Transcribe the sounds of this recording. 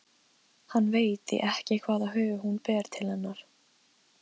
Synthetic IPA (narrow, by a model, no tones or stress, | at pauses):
hanːveːjt̪ɪ̰ʔɛhcɪkʰv̥aːðaɦœːvʏhunpɛːɾ̥t̪ʰɪlhɛnːaɾ̥